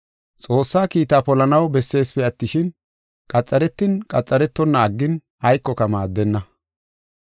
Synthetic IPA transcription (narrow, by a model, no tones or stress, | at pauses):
t͡sʼo̞ːsːaːkiːt̪aːpɔlɐnɐwbɛsːe̞ːspɛɐt̪ːɪʃɪn | kʼɐt͡sʼːɐɾɛt̪ːɪnkʼɐt͡sʼːɐɾɛt̪ːɔnːɐːɡːɪn | ɐjkːɔkɐmaːd̪ːɛnːɐ